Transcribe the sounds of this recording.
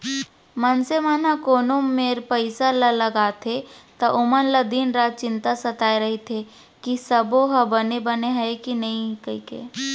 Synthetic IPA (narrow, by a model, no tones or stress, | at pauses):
mənsemənakoːnomeːɾpəɪsalələɡaːt̪ʰet̪ɐʔʊmənləd̪iːnɾat͡ʃɪ̃nt̪asət̪aːeɾɐɦit̪ʰe | kisəboɦɐbənebəneɦɛekinɐɦĩkəikḛː